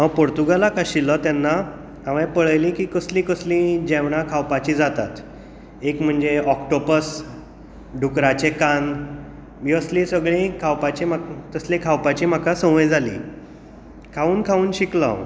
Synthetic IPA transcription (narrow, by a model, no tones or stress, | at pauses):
awpoɾt̪uɡalakaɕilət̪janːa | aʋẽpəɭjlĩkiːkəslĩkəslĩd͡ʑeʋɽakʰawpat͡ɕiːd͡zat̪a̰t̪ | ekm̤əɳd͡zeɔkʈopəs | ɖʱukɾat͡ɕekan | miːəslĩsəɡɭĩkʰawpat͡ɕemat̪əslẽkʰawpat͡ɕiːm̤akasə̃ʋə̃jd͡zʱalḭ̃ː | kʰauːnkʰauːnɕikla̰